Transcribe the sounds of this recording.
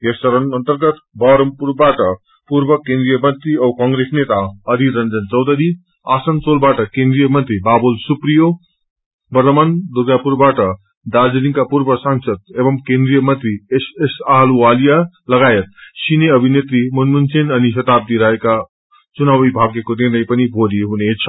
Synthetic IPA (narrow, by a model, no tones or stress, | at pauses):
jesəɾənənt̪əɾɡət̪bʱaɾəmpuɾbaʈʌ | puɾbʌkẽnd̪ɾijəmʌnt̪ɾiʌwkãŋɡɾesnet̪aʌd̪ʱiɾʌnd͡zʌnt͡sʌwd̪ʌɾi | asənt͡solbaʈʌkẽnd̪ɾijəmʌnt̪ɾibabolsupɾijo | bʌɾt̪əmand̪uɡapuɾbaʈʌ | d̪ad͡zʌniŋkapuɾbʌsaŋsʌd̪̚ebʌmkẽnd̪ɾijʌmʌnt̪ɾiesesaɦluwalija | lʌɡajet̪̚sineʌbʱinet̪ɾimunmunsʰenʌniʃʌt̪ab̚d̪iɾʌɦeka | t͡sunawibʱaɡjekod̪inʌjpʌnibʱoliɦunet͡sʰʌ̥